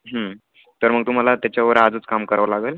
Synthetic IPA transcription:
ɦə | t̪əɾməɡ̚t̪um̤alat̪jat͡ɕjaʋəɾad͡zəːt͡skamkəɾʋlaɡəl

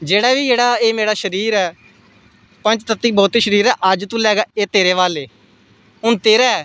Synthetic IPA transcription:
d͡ʒeːɽaːʋiːd͡ʒeːɽaːeːmeːɽaːʃəɾiːɾɛː | pə̃nt͡ʃt̪ət̪ːiːbɔːt̪iːʃəɾiːɾɛːʔəd͡ʒt̪ũːlɛːɡaːeːt̪eːɾeːʋaːleː | ʊnt̪eːɾaːɛː

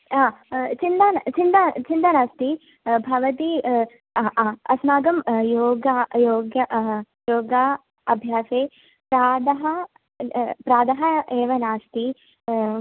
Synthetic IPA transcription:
aːt͡ʃind̪ant͡ʃind̪at͡ʃind̪ɐnaːst̪i | bʱɐʋɐt̪i | ɐsmaːɡɐmjoːɡajoːɡjɐ | joːɡa | ɐbʱjaːseː | pɾaːd̪ɐɦɐ | pɾaːd̪ɐɦɐeːʋɐnaːst̪i

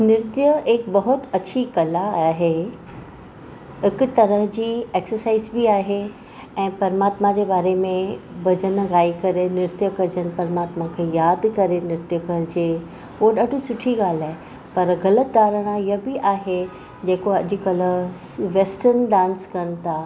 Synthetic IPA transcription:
nɪɾt̪ijəekbɐɦʊt̪ɐt͡ɕʰikɐlaaːɦe | ɦɪkʊ̆t̪ɐɾəɦd͡ʑiːeːksəɾsaːizbiaːɦe | ɛ̃ːpɐɾmaːt̪mãd͡ʑebaːɾemẽbɐd͡ʑənɣaːikɐɾenɪɾt̪jəkɐɾd͡ʑənɪ̆pɐɾmaːt̪mãkʰeːjaːd̪kɐɾenɪɾt̪jəkɐɾɪd͡ʑeː | uoɗaːɖʱũsʊʈʰiɡaːl̤aːɦe | pɐɾɣɐlət̪̚d̪aːɾəɽ̃ajɐbiʔaːɦe | d͡ʑeːkoɐ̰ʄɪ̆kɐlə | ʋeːsʈəɾnɖãːnskɐnɪ̆t̪ʰaː

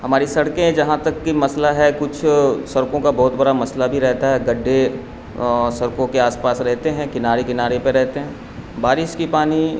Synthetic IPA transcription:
ɦɐmaːɾisɐɽkẽd͡ʒɐɦãt̪ɐkːimɐslaɦɛkʊt͡ʃʰsɐɾkõkabɔːʊt̪bɐɽamɐslabʱiɾɛɦt̪aɦɛɡɐɖʱːe | sɐɾkõkeaːspaːsɾɛɦt̪eɦɛ̃kɪnaːɾekɪnaːɾepeɾɛɦt̪eɦɛ̃ | baːɾɪʃkipaːni

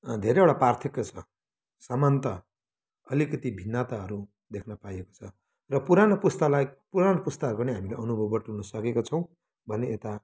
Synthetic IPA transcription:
d̪ʱeɾeoɽapart̪ʰikːʌt͡sʰʌ | samant̪ʌ | ʌlikʌt̪ibʱinːat̪aɦʌɾu | d̪ekʰnʌpajeko̥t͡sʰʌ | rʌpuɾanopust̪ʌlajpuɾanopust̪aʌɾukniɦamila̰ʔʌnubʱʌbʌʈunʌsʌkekot͡sʰʌw̃ | bʱʌneet̪a

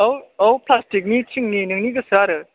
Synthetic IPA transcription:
owɐwpʰlastik̚nit͡ʃʰiŋninɯŋniɡɐsaɾɯ

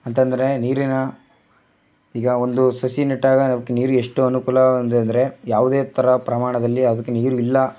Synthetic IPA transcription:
ɐnt̪ɐnd̪ɐɾe̞niːɾinɐ | iːɡɐo̞nd̪usɐsiniʈːaːɡɐnɐmɐkːeniːɾue̞ʂʈuɐnukuːlɐnd̪nd̪ɐɾe̞jaːʋud̪e̞ːt̪ʰɐɾɐpɾɐmaːɳɐd̪ɐlːiɐd̪ɐkːeniːɾuilːɐ

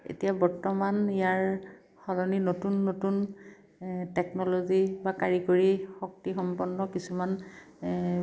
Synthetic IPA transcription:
ḛtijabɔɹtɔmanijaɹ | xɔlɔninotunːotun | tɛknɔlozibakaɹikoɹixɔk̚tixɔmpɔnːɔkisuman

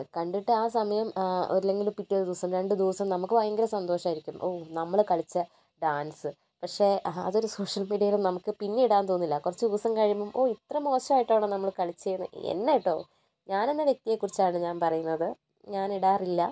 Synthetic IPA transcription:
kɐɳɖiʈːɨaːsɐmɐjɐmo̰ɾilːe̞ŋɡilupiʈːijoɾd̪uːsɐmɾe̞ɳɖɨd̪uːsɐmnɐmukːɨʋɐjɐŋɡɐɾɐsɐnd̪o̞ːʂɐmaːiɾikʲːumʔoːnɐmːɐɭkɐɭit͡ɕːɐ | ɖaːnsɨ | pɐkʂe̞ːɐ̰ðo̞ɾuso̞ːʂɐlmiːɽiɐjilumnɐmukːɨpinːeiɽaːnt̪oːnːilːɐkurɐt͡ɕːɨuːsɐmkɐɻimbɐmʔoːit̪rɐmo̞ːɕɐmaːjiʈːaːɳɐːnɐmːɐɭkɐɭit͡ɕːejunːɨ̰ḛnːejiʈːo̞ː | ɲaːnenːɐʋje̞k̚t̪ijekːurit͡ɕːaːɳɨɲaːnpɐrɐjunːɐðɨ | ɲaːniɽaːrilːɐ

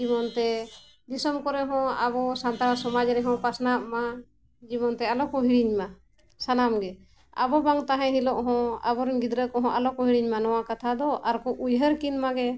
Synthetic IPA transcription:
d͡ʒimɔnt̪ɛ | d̪isəmkɔɾɛɦɔ̃abɔsant̪aɾɔnsɔmad͡ʒɾɛɦɔ̃pasnaʔma | d͡ʒimɔnt̪ɛalɔkɔɦiɽiɲma | sanamɡɛ | a̰bɔbaŋt̪aɦɛ̃ɦilɔʔɦɔ̃a̰bɔɾɡid̪ɾəkɔɦɔ̃ʔalɔkɔɦiɽiɲmanɔwakat̪ʰad̪ɔʔaɾkɔʔujɦəɾkinmaɡɛ

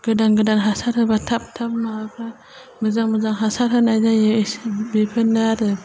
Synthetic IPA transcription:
ɡ̥ɯdaŋɡɯdanɦasaɾhɯbatʰap̚tʰap̚mabʰa | mɯzaŋmɯzaŋɦasaɾhɯnajzajesbepʰɯnaɾɯ

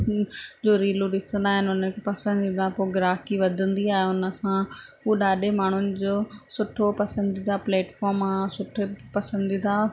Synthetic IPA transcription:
d͡ʑoːɾiːluɗɪsə̃nd̪aːɦɪnɪʊnənkʰepɐsə̃nd̪ind̪ãpoːɡɪɾaːkiʋɐd̪ʱə̃nd̪iaːɦeʊnə̆sãɦuːɗaːɗemaːɳ̤ʊnɪ̆d͡ʑoːsʊʈʰopɐsə̃nd̪id̪apleːʈfɔːɾmaːsʊʈʰepɐsə̃nd̪id̪aː

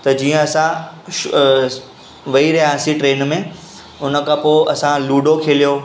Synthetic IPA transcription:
t̪ɐd͡ʑiːə̃ɐsã | ʋɐiɾɐɦãsĩʈɾeːnmẽ | ʊnə̆kʰãpoːɐsãluːɖokʰeːlijoː

